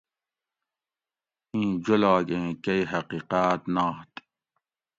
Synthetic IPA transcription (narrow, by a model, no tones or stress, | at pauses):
ĩːd͡ʑolaːɡẽːkɐjɦɐqiːqaːt̪naːt̪